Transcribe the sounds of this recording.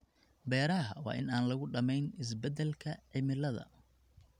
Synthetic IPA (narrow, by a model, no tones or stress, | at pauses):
bɛːɾɐɦɐwɑ̰ːʔɪ̰naːnlɐɣʊɖɐmɛjnɪs̬bɛd̪ɛlkʰɐʕɪmɪlɐðɐ̰